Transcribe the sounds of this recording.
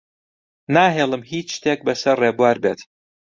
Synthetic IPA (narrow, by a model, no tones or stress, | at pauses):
naːɦeːlˠɨmhiːt͡ʃʃt̪ʰeːk̚bɐsɐrːeːbuaɾbeːt̪